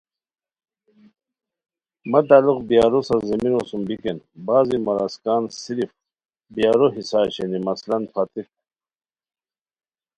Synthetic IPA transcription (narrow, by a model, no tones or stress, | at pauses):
mɐt̪aːluqbijaːɾusɐzeminosumbikenbaːzimɐɾaskaːnsiɾif | bijaːɾoɦisaːɕenimɐslɐnpʰat̪i